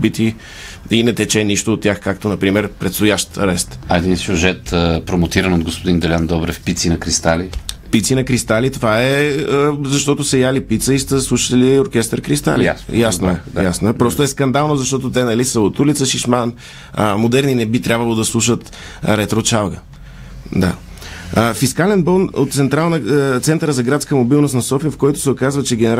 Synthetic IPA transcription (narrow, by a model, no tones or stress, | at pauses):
bit̪i | inɛt̪ɛt͡ʃɛniʃt̪oːt̪t̪ːʲjaxkakt̪onɐpɾimɛɾpɾɛt̪st̪ʊjaʃt̪ɐɾɛst̪ɐɛd̪insʲjuʒɛt̪əpɾomot̪iɾənod̪ɡospod̪ind̪ɛlʲand̪ɔbɾɛfpit̪sinɐkɾist̪ali | pit̪sinɐkɾist̪alit̪ovaɛəzɐʃt̪ɔt̪osɛjalipit̪səist̪əslˠuʃə̥t̪ɛlioɾkʲɛst̪əɾkɾist̪a̰lijjjasnoɛjasnoɛpɾɔst̪oɛskɐnd̪alˠnozɐʃt̪ɔt̪ot̪ɛnɐlisəot̪ulit̪səʃiʃman | ə̰mod̪ɛɾninɛbit̪ɾʲabvəlˠod̪ɐslˠuʃət̪ | ɾɛt̪ɾot͡ʃavˠɡə | d̪a̰ | əfiskalɛnbɔnot̪t̪sɛnt̪ɾalˠnət̪sɛnt̪əɾəzɐɡɾat̪skəmobilˠnost̪nɐsɔfijəfkɔjt̪ʊ̥sɛokazvət͡ʃɛɡʲɛnɛɾ